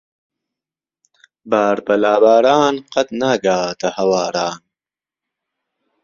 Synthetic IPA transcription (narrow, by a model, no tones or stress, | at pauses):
baːɾbɐlaːbaːɾɑːnqɐt̪naːɡaːt̪ɐhɐwaːɾɑːn